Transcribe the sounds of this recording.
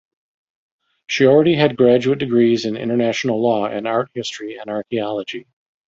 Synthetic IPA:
ʃil̩ˠɹɛɾiɨd̚ɡɹæd͡ʒʉɨt̚d̥ɨɡɹizɨ̃nɪ̰̃ɾ̃ə˞næʃn̩l̩ˠlɔɪ̰̃nɑɹt̚hɪstɹ̥iɨ̃nɑɹkiɑlˠəd͡ʒi

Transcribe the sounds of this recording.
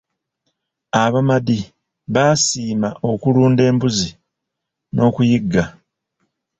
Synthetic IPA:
aβamadi | βaːsiːmaʔo̞kuluːnde̞ːmbuzi | nʔo̞ːkujiɡːa

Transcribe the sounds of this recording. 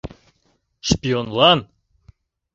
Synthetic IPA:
ʃpʲionlˠɑn

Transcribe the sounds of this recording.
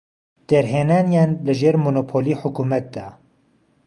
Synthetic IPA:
d̪̥ɛɾɦeːnaːnjaːnlɨʒeːɾmonopʰoːliːħʊkuːmɛt̪̚d̪ɑ

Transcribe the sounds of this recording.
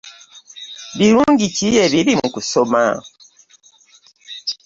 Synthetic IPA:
βiɾuːŋɟicijeβiɾimukusoma̰

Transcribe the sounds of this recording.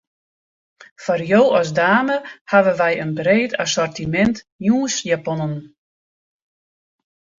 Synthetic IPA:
fɔrjoːɔs̬daːməhaʋəʋɛjənbreːtʰasɔrtimɛnt | juːsjapɔnən

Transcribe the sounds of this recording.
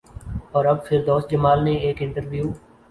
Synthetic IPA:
ɔːɾɐbfʰɪɾd̪oːsd͡ʒəmaːlnẽeːkɪ̃ɳʈəɾʋjuː

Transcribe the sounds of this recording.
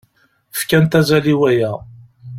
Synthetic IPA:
əfkænt̪æzæliwæjæ

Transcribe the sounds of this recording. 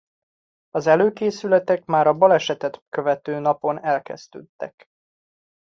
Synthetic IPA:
ɒzɛløːkeːsylɛt̪ɛkmaːɾɒbɒlɛʃɛt̪ɛt̪kø̞vɛt̪øːnɒpo̞nɛlkɛ̰z̥t̪ø̰ːt̪ːɛ̰k

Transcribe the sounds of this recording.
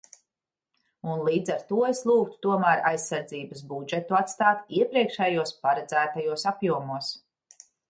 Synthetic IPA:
unlˠiːd̪zaɾt̪uɔeslˠuːk̚t̪u̥t̪uɔmæːɾajsːaɾd̪ziːbɐsbud͡ʒet̪uat̪st̪aːt̪iɛpɾiɛkʃɛjuɔspaɾad̪zæːt̪ajuɔsapjuɔmuɔs

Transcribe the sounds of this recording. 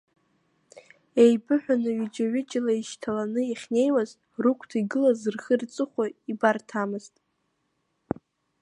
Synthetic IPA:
ejbɨħʷᶣanɨɥid͡ʒaɥɪt͡ʃʼalaiʃtʰalanɨiχʲne̞jwaz | rukʷʰtʰiɡɨlazɨrχɨrt͡sʼɨχʷaibartʰamɨztʼ

